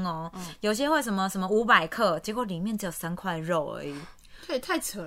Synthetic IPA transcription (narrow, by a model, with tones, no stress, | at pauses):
ŋɔ˧jo˨ʊɕ̬jɛ˦we˥˩ɪs̬ʂə˨˦nmə˧ʂə˧˥nmə˧u˧˥pa˨˩ɪkʰɤ˥˩t͡ɕɛ˧˥kwo˥˩li˨˩mjɛ˥˨nt͡ɕ̩˧˥jo˨˩sa˦nkʰwa˥˧ɪɻo˥˨˩ʊə̰˧˦i˨˩˦ | t̪ʰwe˥˩ɪt̪ʰa˥˧˩ɪt͡sʰə˨˦